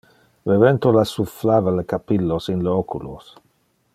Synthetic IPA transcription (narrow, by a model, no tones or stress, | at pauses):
vevent̪olasuflaːvalekapilːosinleɔkulo̰s